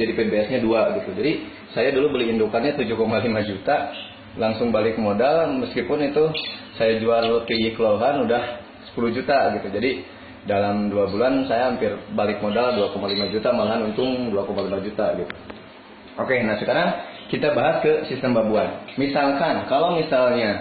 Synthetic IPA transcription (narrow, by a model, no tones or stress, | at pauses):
d͡ʒadipɛbeɛsɲaduaɡit̪ud͡ʒadi | sajadulubəliindukanɲat̪ud͡ʒuhkomalimad͡ʒut̪a | laŋsʊŋbalɪk̚modalməskipʊnit̪usajad͡ʒuarpiɡikəlaoɦanudah | sə̥pulud͡ʒut̪aɡit̪ud͡ʒadi | dalamduabulansajaɦampɪrbalɪk̚modalduakomalimad͡ʒut̪amalaɦanunt̪ʊŋduakomalimad͡ʒut̪aɡit̪u̥ | okenahsəkaɾaŋkit̪abaɦaskəsist̪əmbabuanmisalkankalawmisalɲa